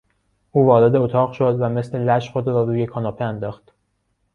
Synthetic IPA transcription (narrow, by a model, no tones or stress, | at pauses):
ʔuːvɒːɾed̪eot̪ʰɒːʁʃod̪væme̞sle̞læʃχod̪ɾɒːɾuːje̞kʰɒːnɒːpʰeænd̪ɒːxt̪